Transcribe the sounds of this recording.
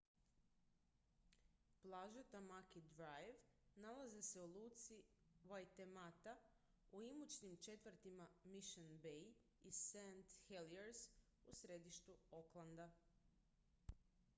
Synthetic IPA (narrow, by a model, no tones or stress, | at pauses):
plˠaʒet̪amakid̪ɾajʋnalazese̞ulˠuːt̪siʋajt̪emat̪a | uimut͡ʃnimt͡ʃe̞t̪ʋr̩t̪imamiʃonbej | isent̪xelieɾs | usɾed̪iʃt̪uo̞klˠand̪a